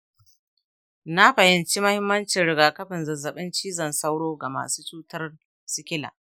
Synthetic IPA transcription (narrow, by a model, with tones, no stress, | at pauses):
na˦ɸɐ˨hɪ˨nt͡ʃi˦mɐ˦hɪ˦mːɐ˦nt͡ʃɪ˨nɽɪ˨ɡaː˨kɐ˦ɸɪ˨nzɐ˨zːɐ˨ɓɪ˦nt͡ʃiː˦zɐ˨nsɐ˦wɽoː˦ɡa˨ma̰ː˨suː˦t͡ʃuː˦tɐ˦r | sɪ˦kʲɪ˦la̰ː˨